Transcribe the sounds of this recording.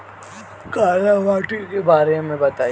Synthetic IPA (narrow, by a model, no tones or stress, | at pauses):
kaːlaʋaːʈikebaːɾemẽbɐt̪aː